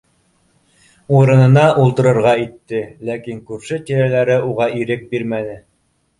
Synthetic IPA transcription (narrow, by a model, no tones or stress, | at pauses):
uɾɤ̆nɤ̆nɑʔulˠt̪ɤ̆ɾɤ̆ɾʁɑit̪ːɘlækiŋkʉɾʃɘt̪iɾælæɾɘuʁɑiɾɘk̚biɾmænɘ